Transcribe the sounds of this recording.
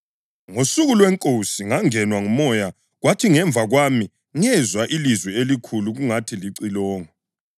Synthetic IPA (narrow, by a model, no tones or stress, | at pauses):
ŋosuɣulwɛŋkʼosiŋaŋɛnwaŋumɔja | ɣwatʰiŋɛɱb̪vʱaɣwami | ŋɛzwaʔilizwɛelikʰuluɣuŋatʰiliǀilɔːŋɔ